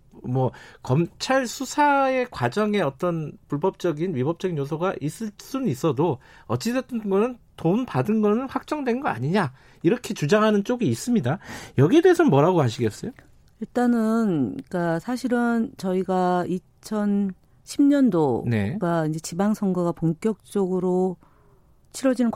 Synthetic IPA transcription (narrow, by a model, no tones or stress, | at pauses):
mwʌkʌmt͡ɕʰaɭsʰusʰae̞kwad͡ʑʌŋe̞ʌt͈ʌnpuɭbʌp̚t͡ɕ͈ʌɡinɥibʌp̚t͡ɕ͈ʌɡinjosʰʌɡaʔis͈ɯɭs͈unɯnis͈ʌdo | ʌt͡ɕ͈isʰet͈ɯɡʌnɯntonpadɯnɡʌnɯnɸwak̚t͡ɕ͈ʌŋdwe̞nɡʌa̰ɲiɲa | iɾʌkʰe̞t͡ɕud͡ʑaŋɦanɯnt͡ɕ͈oɡiːs͈ɯmɲidajʌɡiedeːsʰʌnmwʌɾaɡoɦaɕʰiɡes͈ʌjo | iɭt͈anɯnik͈asʰaɕʰiɾɯnt͡ɕʌiɡai | t͡ɕʰʌn | ɕʰimɲʌndone̞̰ɡaind͡ʑe̞t͡ɕibaŋsʰʌŋɡaɣapoŋk͈jʌk̚t͡ɕ͈ʌɡɯɾo | t͡ɕʰiɾwʌd͡ʑinɯnk